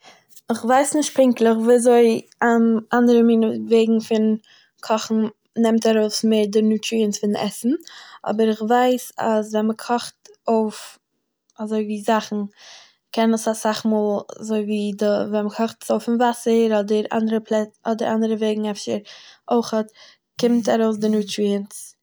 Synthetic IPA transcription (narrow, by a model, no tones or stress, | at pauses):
ɪχvaɪsnɪʃt̚pɪŋklˠəχviːazoɪamandəɾəmiːnveɪɡŋ̩fɪn | kʰɔχn̩ | nɛmtaɾoʊsmeɪɾdɪnuːtɾiənsfɪnʔɛsn̩ɔ̰bəɾɪχvaɪsa̰svɛnməkʰɔχtoʊf | azoɪviːzaχn̩ | kʰɛnəsasaχmoːlˠazoɪviːdəvɛnməkʰɔχtə̥soʊfɪnvasəɾɔdəɾa̰ndəɾəpʰlˠɛɔdəɾa̰ndəɾəveɪɡŋ̩ɛfʃəɾoɪχət | kɪmtaɾoʊs̬dɪnuːtɾiəns